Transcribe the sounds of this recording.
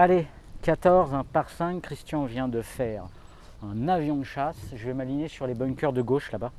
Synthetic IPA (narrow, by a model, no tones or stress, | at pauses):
ale | kat̪ɔʁzɛ̃paʁsɛ̃kːχist̪jɔ̃vjɛ̃d̪əfɛʁ | ɛ̃navjɔ̃d̪əʃasʒəvɛmalinesyʁlebɔnkʲœʁd̪əɡoʃlaba